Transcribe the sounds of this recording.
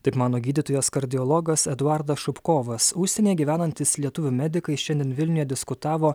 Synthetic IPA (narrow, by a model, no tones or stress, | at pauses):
t̪ɐɪpmɑːnoːɡʲiːd̪ʲɪt̪ojoːskɐɾʲd̪ʲɪɔlˠɔɡɐsɛd̪ʊɑɾd̪ɐsʃʊpkoːʋɐsʊʃʲsʲɛnʲeːɡʲiːʋʲæːnɐnʲt̪ʲɪslʲiɛt̪ʊʋʲʊmʲæd̪ʲɪkɐɪʃʲɛnʲd̪ʲɪɛnʋʲɪlʲnʲʊjɛd̪ʲɪskʊt̪ɑːʋoː